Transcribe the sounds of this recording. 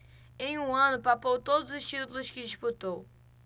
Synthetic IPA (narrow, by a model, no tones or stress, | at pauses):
ẽj̃ũɐ̃nʊpapowt̪od̪ʊzʊʃt̪it̪ulˠʊʃkɪd̪iʃput̪ow